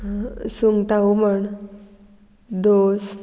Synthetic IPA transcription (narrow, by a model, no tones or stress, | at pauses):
suŋɡt̪auməɳ | d̪os